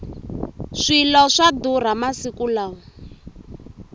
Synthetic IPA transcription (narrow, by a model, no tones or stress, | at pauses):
ʂilɔʂad̪uɾ̤amasikulaːɔ